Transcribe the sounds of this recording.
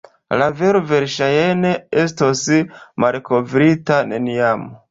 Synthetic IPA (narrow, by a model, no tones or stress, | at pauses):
laveɾove̞ɾʃajenees̬tosmalko̞vɾitaneniamo